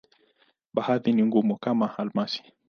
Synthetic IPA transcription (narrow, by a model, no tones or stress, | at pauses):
ɓahaðiniŋɡumukamaalmasi̥